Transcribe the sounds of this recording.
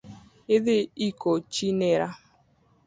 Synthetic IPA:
eðɪikot͡ʃinɛɾa

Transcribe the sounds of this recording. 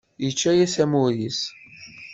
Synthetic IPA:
jət͡ʃːæjæsæmuɾis

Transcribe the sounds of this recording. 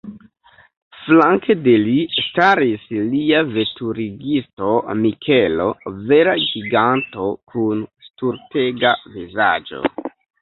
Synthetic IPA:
flaŋkede̞listaɾisliave̞tuɾiɡisto̞mikʰe̞lo̞̰ve̞ɾaɡiɡanto̞kʰunstuɾte̞ɡaviza̰d͡ʒo̞̰

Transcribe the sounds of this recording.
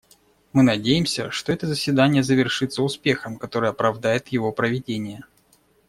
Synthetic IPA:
mɨnɐdʲejɪmsʲə̰ʂt̪oɛt̪əzəsʲvʲɪd̪anʲɪjəzəvʲɪrʂɨt̪səʊspʲe̞xəmkɐt̪o̞ɾɨəɐpɾɐvd̪ajɪt̪jɪvo̞pɾəvʲɪdʲenʲɪjə

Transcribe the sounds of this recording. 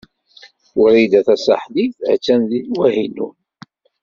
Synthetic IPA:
ʊɾid̪æθæsa̰ħðiθʕt͡sːænðinwæhinṵn

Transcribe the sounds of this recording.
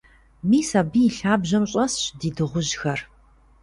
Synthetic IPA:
miːsɐbiːɬaːbʑɐmɕʼɐsɕdiːdɨʁʷʊʑxɐr

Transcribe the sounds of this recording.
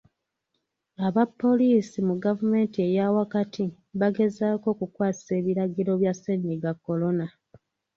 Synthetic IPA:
aβapːo̞liːsimuɡavume̞ːntie̞jawakatʰi | βaɡe̞zaːko̞ːkukwaːsi̥se̞ːβiɾaɡiɾo̞βjasenːiɡakːo̞lo̞na

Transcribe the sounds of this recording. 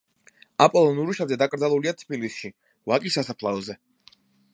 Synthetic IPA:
apʼɔlˠɔnuɾuʃazɛd̪akʼɾd̪zalˠuliat̪ʰbilisʃi | vakʼisasapʰlˠaɔzɛ

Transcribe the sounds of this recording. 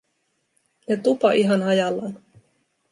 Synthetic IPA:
jɑt̪upɑʔiɦɑnɦɑjɑlːɑ̰n

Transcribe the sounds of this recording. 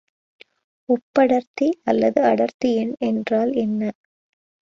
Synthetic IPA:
ɔpːɐɽɐɾt̪iʔɐlːɐðɯɐɽɐɾt̪ɪjɪnɛndraːlɛnːɐ

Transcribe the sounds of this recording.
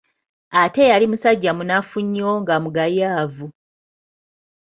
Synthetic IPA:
ate̞jalimusaɟːamunafuɲːoŋɡamuɡajaːvu

